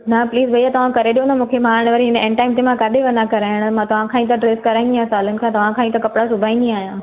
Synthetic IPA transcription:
nɐpliːzbʱɐjat̪ɐʋ̤ãkɐɾeɗijõnamũːkʰemaːɾɽ̃ʋɐɾĩɦɪ̃nɛ̃ɳʈaːɪmt̪emãkaːdʱeʋɐ̃nd̪ãkɐɾaːɦɪɽ̃mãt̪ɐʋ̤ãkʰãːĩt̪̬ɐɖɾeːskɐɾãːnɡ̪iɦãsaːlənɪ̆kʰãt̪ɐʋ̤ãkʰãːĩt̪ɐkɐpɽasʊbʱaːĩnd̪ĩaːɦijãː

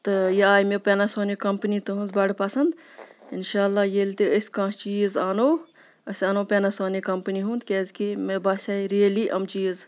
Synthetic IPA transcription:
t̪ɨjɐaːjmepeːnasoːnekɐmpnit̪ɐɦũnzbɐɽpɐsɐnd̪ɪnʃaːlːaːjelt̪iəsʲkãːst͡ʃiːzaːnoː | ɐsʲaːnoːpʲeːnasoːnekɐmpniɦũːnd̪kʲeːzkimebaːsʲaːiɾijəliːʔɐ̰mt͡ʃiːz

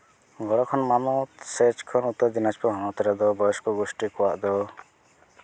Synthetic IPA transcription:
ɡɔɽɔkʰɔnmanɔt̪set͡ʃkʰɔnut̪ɔd̪inat͡ʃpɔɦɔnɔt̪ɔɾɛd̪ɔbɔjɔskɔɡɔsʈikɔwaʔd̪ɔ

